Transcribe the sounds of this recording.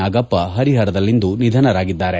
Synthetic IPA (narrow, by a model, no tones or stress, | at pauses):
aːɡɐpːɐɦɐɾiɦɐɾɐd̪ɐlːind̪unid̪ʱɐnɐɾaːɡid̪ːaːɾe̞